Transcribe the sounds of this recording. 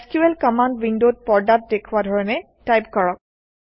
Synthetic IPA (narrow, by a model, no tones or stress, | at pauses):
skjuɛlkɔmandwindod̚pɔɹdat̚dekʰuadʱɔɹɔnɛ | tajp̚kɔɹɔk̚